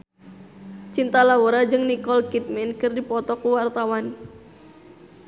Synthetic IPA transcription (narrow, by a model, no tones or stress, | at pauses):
t͡ʃint̪alawuɾad͡ʒɨŋnikɔlkit̪̚mɛnkɨrdipɔt̪ɔkuwart̪awan